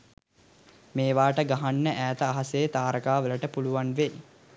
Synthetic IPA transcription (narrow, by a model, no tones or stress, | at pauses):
meːʋaːʈəɡaɦanːəʔæːt̪əaɦasejːt̪aːɾəkaːʋələʈəpuluʋanʋe